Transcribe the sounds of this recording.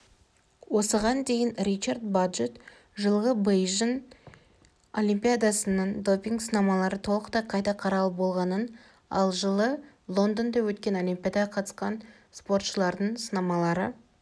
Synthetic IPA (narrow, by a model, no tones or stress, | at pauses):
wo̞səʁɑnd̪e̞jɪnrʲit͡ʃaɾd̪baʒet̪ | ʒəlˠʁəbejʒən | o̞lʲimpʲijad̪asənəɴd̪o̞pʲiŋɡsənɑmɑlˠɑɾət̪ʰo̞lˠəqt̪ɑqʰɑjt̪ɑqʰɑɾɑlˠəbo̞lˠʁɑnən | ɑ̰lˠʒəlˠə | lˠo̞nd̪ənd̪ɑwɵt̪̚kʲe̞no̞lʲimpʲijad̪ɑɑqʰɑt̪ə̥sqɑn | spo̞ɾt̪ʃəlˠɑɾd̪əɴsənɑmɑlˠɑɾə